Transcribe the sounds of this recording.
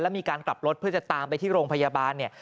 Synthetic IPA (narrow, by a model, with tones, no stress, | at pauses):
lɛ˦˥miː˧kaː˧nkla˨˩p̚ɾo˦˥t̪̚ʰɯ˥˩ɐt͡ɕa˨˩t̪aː˧mpa˧jt̪ʰiː˥˩ɾoː˧ŋpʰa˧jaː˧baː˧nːi˥˩ɐ